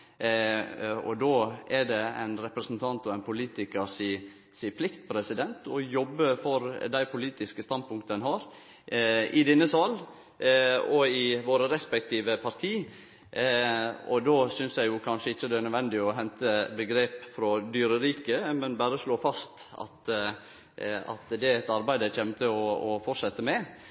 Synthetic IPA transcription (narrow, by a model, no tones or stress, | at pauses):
ɔ̰d̪oːɛɖ̪ɛæ̰ɪnɾɛpɾəsnt̪ʰɑnt̪ɔænpʰʊliːt̪ɪkəsi | sipʰlɪkt̪̚pʰɾɛsɪd̪ɛnt̪ɔjɔbːəfɔɾd̪æɪpʰʊliːt̪ɪskəst̪ɑnd̪̚pʰʊŋkt̪əənhɑɾ | ʔɪd̪ɛnːəsɑl | ɔɪʋoːɾəɾɛspɛk̚t̪ʰiːʋəpʰɑɾt̪ʰiː | ɔ̰d̪oːsʏnsjæɪjʊkʰɑnʂəɪçːəd̪ɛnœd̪ʋɛnd̪ɪɔɦɛnt̪əbəɡɾeːpfɾɔd̪yːɾəɾiːkəmɛnbæːɾəʂloːfɑst̪ɑ̰t̪ | ɑ̰t̪d̪ɛɛt̪ɑɾbæɪd̪əc͡çɛmt̪ʰəɔɔfɔʂɛt̪ːəmɛ